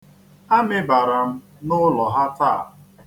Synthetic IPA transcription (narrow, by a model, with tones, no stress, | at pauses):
a˦mɪ˦ba˨ɾa˨m̩˦ | nʊ˦lɔ˨ɦa˦ta̰˦˨